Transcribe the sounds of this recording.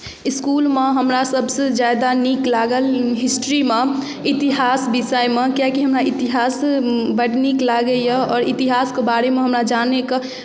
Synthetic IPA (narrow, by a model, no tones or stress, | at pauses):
ɪskuːlmeɦəmɾasəbsed͡ʒad̪aniklaɡəlɦɪsʈɾime | it̪iɦaːsbisəemekjakiɦəmɾait̪iɦaːsbəɽniklaɡəjəɔːɾit̪iɦaːskebaːɾemẽɦəmɾad͡ʒaneke